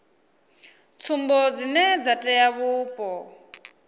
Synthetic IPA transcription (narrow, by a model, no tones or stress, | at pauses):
t͡sʰumbɔd͡zinɛd͡zatʼɛjaβuːpʼɔ